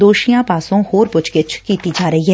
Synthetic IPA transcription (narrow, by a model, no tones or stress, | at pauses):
d̪oːʃijãpaːsõhoːɾpʊt͡ʃkɪt͡ʃkiːt̪id͡ʒaːɾɐɦiɦɛː